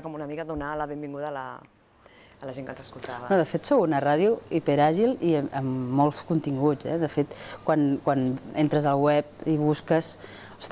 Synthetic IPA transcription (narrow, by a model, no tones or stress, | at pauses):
kɔmunəmikəðunaləβembiŋɡuðələ̰ | ləʒeŋkənzəskulˠt̪aβnoðəfet̪sowunəraðjuipeɾaʒiliəəmːɔlˠskunt̪iŋɡuz̥ɛ̰ðəfet̪kwankwanent̪ɾəzəlˠwɛp̚iβuskəs | s